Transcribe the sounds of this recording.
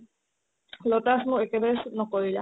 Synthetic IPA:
lot̪asmuekeβɾesunokojla

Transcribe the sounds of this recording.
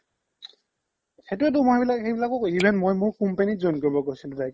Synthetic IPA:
xetuɛt̬ʊmobilakxejbilakɔkibʱɛnmojmʊɹkumpenitzonkoɹibɔkojsilʊ̃dajk

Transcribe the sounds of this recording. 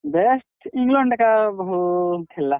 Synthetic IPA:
besʈĩŋɡlɔ̃ɳɖkabɐɦuk̪ʰɛlːa

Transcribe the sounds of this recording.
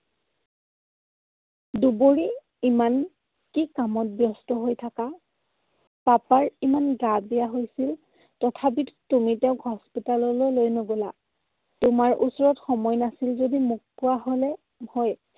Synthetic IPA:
duboɹiː | man | kikamɔt̚bjɔstɔɦojtʰaka | papaɹimanɡabijaɦojsil | tɔtʰap̬ittumitɛʊ̃khɔspitalɔlolojnoɡola̰ | tʊmaɹʔṵsɔɹɔtxɔmɔjnasilzodimuk̚ːɔwaɦolɛ | hɔj

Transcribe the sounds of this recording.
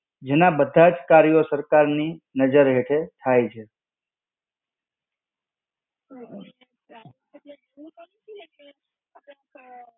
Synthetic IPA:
d͡ʒenabəd̪ʱad͡ʒkaɾjosəɾkaɾninəd͡ʒəɾɦeʈʰet̪ʰajt͡ʃʰe

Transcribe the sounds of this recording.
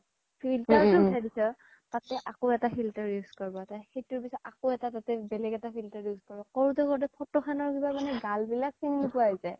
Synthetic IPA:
pʰiltaɹtʊajbisɔ | tatɛʔakoɛtafiltaɹjuskɔɹibɔtaxejtuɹpisɔtakoɛtatatɛbɛlɛkɛtapʰiltaɹjuskɔɹbɔkɔɹutɔkɔɹtɛpʰɔtɔxanɔɹkibamanɛɡalbilak̚sinilipʊaizaj

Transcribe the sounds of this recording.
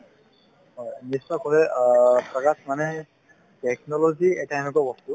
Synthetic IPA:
ɦɔjnisbakɔɹɛpɹakatʰmanɛ | tɛk̚nɔlɔziɛtaɛnikɔbɔst̪u

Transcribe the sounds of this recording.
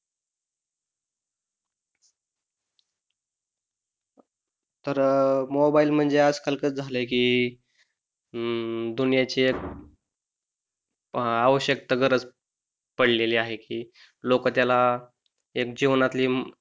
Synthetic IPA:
t̪əɾmobailm̤əɳd͡zeəd͡zkalkət͡sd͡zʱaləkiː | d̪unijat͡ɕiek̚ | aʋəɕjək̚t̪əɡəɾət͡s | pəɽ̤leliːaɦekiː | lokət̪jala | ekd͡ʑiʋnat̪liː

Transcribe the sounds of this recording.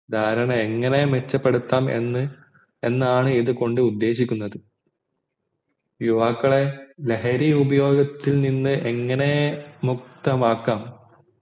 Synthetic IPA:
d̪ʱaːɾɐɳɐeŋːɐnemet͡ɕːɐpːeɽut̪ːaːmḛnːɨ | e̞nːaːɳɨiðɨko̞ɳɖɨud̪ːe̞ːɕikʲːunːɐðɨ | juʋaːkːɐɭe̞leɦɐɾiubɐjo̞ːɡɐt̪ːilninːɨʔe̞ŋːɐne̞muk̚t̪ɐmaːkːaːm

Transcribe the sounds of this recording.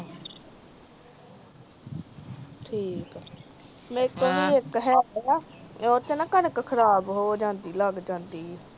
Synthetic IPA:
ʈʰiːk | mẽːkoiːɪkɦɛːjaː | oːɾt̪enaːkənəkkʰəɾaːbɦoːd͡ʒãːnd̪iːləɡd͡ʒãːnd̪iː

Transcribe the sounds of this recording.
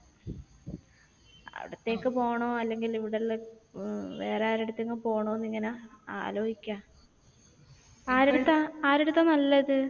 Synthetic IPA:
ɐ̰ʋḭɽut̪ːe̞ːkːɨpo̞ːɐɳoːɐlːe̞ŋɡiliʋiɽelː | ʋe̞ːreaːɾeɽut̪ːeŋːɐpo̞ːɐɳoːenːiŋːɐnea̰ːlo̞ːhikʲːaː | aːɾeɽut̪ːɐaːɾeɽut̪ːɐnɐlːɐɐðɨ

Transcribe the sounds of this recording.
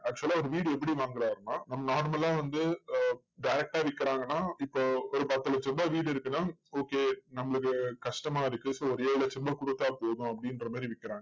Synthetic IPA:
aːk̚t͡ʃʊɐlaːɔɾɯʋiːɽɯɛpːɐɽiʋaːŋɡɪɾaːɾɯnaːnɐmːɐnaːɾmɐlaːʋɐnd̪ɯ | ɖɐɪɾɛk̚ʈaːʋɪkːɪɾaːŋɡɐnːaːɪpːoːɔɾɯpɐt̪ːɐlɐt͡ʃːɪbaːʋiːɽɯɪɾɯkːɯnaːoːkeːnɐmːɐɭɯkːɯkɐʂʈɐmaːɪɾɯkːɯsoːɔɾɯeːɻɭɐt͡ʃːɪbaːkʊɽɯt̪ːaːpoːðʊ̃ɐpːɐɽɪnɾɐmaːðɾiʋɪkːɪɾaːŋɡɐ

